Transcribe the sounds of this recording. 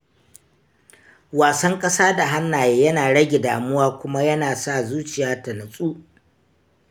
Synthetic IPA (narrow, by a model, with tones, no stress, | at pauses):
waː˨sɐ˦ŋkʼɐ˦saː˦da˨ɦa˦nːaː˨jeː˦jɐ˦naː˨ɽɐ˦ɡʲe˨daː˨mʊ˦waː˦kʷʊ˦ma˦jɐ˦naː˨sa˦˨zuː˦t͡ʃɪ˨jaː˦tɐ˨nɐ˨sʼuː˦